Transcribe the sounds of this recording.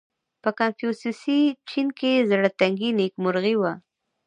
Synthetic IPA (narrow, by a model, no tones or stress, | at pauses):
pəkanfijusisit͡ʃinkezaɽat̪aŋɡinekmʊɾɣiwa